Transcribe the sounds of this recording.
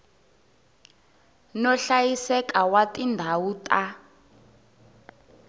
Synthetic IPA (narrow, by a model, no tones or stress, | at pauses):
nɔɬajisɛkawatʼindʱawuːtʼa